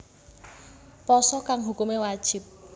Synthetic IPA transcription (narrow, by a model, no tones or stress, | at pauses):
pɔsɔkaŋɦukumewad̥ʒ̥ɪ̤p̚